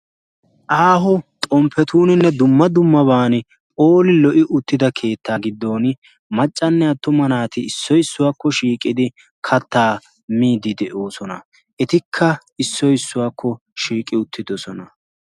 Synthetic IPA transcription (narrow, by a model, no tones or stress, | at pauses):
ʔaːɦɔt̪ʼɔmpʰːɛt̪uːnɪnːɛd̪ʊmːɐd̪ʊmːɐbaːn | pʼoːlɪlɔʔɪʔʊt̪ːɪd̪ɐkʰe̞ːt̪ːaːɡɪd̪ːo̞ːn | mɐt͡ʃʼːɐnːɛɐt̪ːʊmɐnaːt̪ɪɪsːɔjɪsːʊwaːkːɔʃiːkʼːɪd̪ɪ | kʰɐt̪ːaː | miːd̪ɪd̪ɛʔo̞ːsɔnɐ | ʔɛt̪ɪkʰːɐɪsːɔjɪsːʊwaːkʰːɔ | ʃiːkʼːɪʊt̪ːɪd̪ɔsɔnɐ